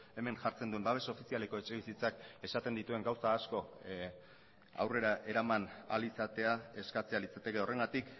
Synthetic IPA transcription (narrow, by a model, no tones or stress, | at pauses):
e̞me̞ŋʝaɾt͡send̪ue̞mbaβ̞e̞sao̞fisiale̞ko̞e̞t͡ʃe̞β̞isit͡sake̞sat̪e̞nd̪it̪ue̞ŋɡawsaːsko̞ | a̰wre̞ɾaʔe̞ɾamana̰lisat̪e̞ae̞skat͡sealit͡sat̪e̞ke̞o̞re̞ŋɡat̪ik